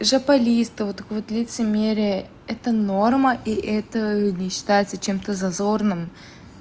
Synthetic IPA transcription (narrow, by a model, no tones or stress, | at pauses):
ʐəpɐlʲist̪ɨvot̪ːɐkvot̪lʲɪt̪sɨmʲeɾʲɪjə | ɛt̪əno̞rməʔiʔɛt̪ənʲɪɕːɪ̥t̪ajɪt̪sət͡ɕe̞mt̪əzɐzo̞rnɨm